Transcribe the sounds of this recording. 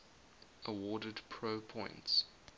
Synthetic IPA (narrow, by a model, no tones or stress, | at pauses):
ʔəwɔːdədpʰɹ̥oʊpʰɔ̃ɪ̃nts